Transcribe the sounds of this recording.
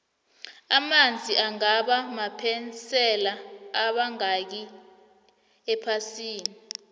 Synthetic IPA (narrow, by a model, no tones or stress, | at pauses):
amand͡zʱiʔaŋaɓamapʰɛnt͡sɛlaːɓaŋak̬i | ɛpʰasiːni